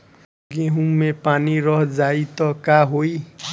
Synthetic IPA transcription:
ɡeɦũmepaniɾʌɦd͡zait̪ʌkaɦoi

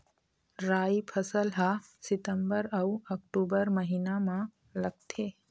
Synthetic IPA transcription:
ɾaːipʰɐsəlɦasɪt̪əmbəɾɐwɐk̚ʈuːbəɾmɐɦinamã | lɐɡ̚t̪ʰeː

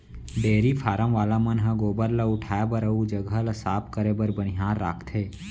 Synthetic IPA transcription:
ɖeːɾipʰaːɾə̃mʋaːlamənɦə̃ɡoːbəɾlaʊʈʰaːjabəɾəud͡ʒəɡʱəlɐsaːp̚ʰkəɾebəɾbənɪɦaːɾːa̰ːkʰt̪ʰeː

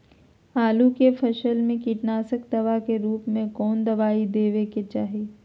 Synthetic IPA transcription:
aːlukefʰɐʃəlmẽkiːʈnaːsəkd̪ɐʋakeɾuːpmẽkɔːnd̪ɐʋaːid̪eːʋeket͡ʃaːɦeː

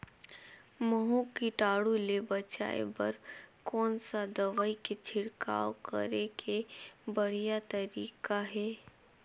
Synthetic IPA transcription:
məɦũkiʈaːɽulebɐt͡ʃa̰ːḛbɐ̰ɾkɔːnsad̪ɐʋaːiket͡ʃʰɪɽka̰ːokə̰ɾekʰebɐɽ̤ijat̪ɐɾiːkaɦɛː

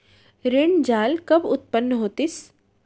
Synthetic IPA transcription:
ɾɪɳd͡ʒaːlkɐbʊt̪̚pənːəɦoːt̪ɪs

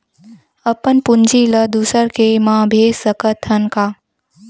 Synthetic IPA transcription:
əpənpʊnd͡ʑiləd̪usəɾkʰemãbʱeːsəkət̪ʰənkaː

